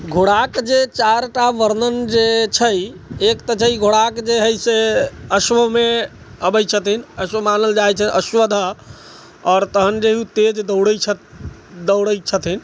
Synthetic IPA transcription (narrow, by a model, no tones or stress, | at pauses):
ɡʱoɽakd͡ʒet͡ʃaɾʈaʋəɾnənd͡ʒet͡ʃʰəjekt̪ət͡ʃʰəiɡʱoɽakd͡ʒeɦəjseəsʋəme | əbəjt͡ʃʰət̪inəsʋəmanəld͡ʒajt͡ʃʰəəswəd̪ʱə | ɔːɾt̪əɦənd͡ʒeɦiũt̪ed͡ʒd̪əwɽəjt͡ʃʰ | d̪əɽəjt͡ʃʰət̪ʰin